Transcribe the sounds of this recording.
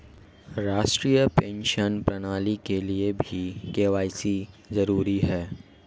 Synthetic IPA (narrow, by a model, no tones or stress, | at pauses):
ɾaːʃʈɾijəpẽːnʃənpɾɐnaːlikeliebʱikeːʋaːɪsi | zɐɾuːɾiɦɛː